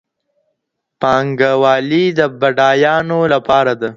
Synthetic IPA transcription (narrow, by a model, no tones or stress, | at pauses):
pɑŋɡawɑːlid̪əbaɖɑjɑnolapɑɾad̪a